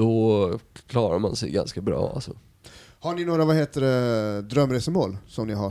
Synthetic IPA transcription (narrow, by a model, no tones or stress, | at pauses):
ɔkʰlɑːɾaɾmansɛ̰jɡa̰nskabɾɑ̰ːa̰lsɔ | haɳɪnoːɾavaheːt̪əɖɛd̪ɾœmːɾeːsəmoːlsɔmnɪɦa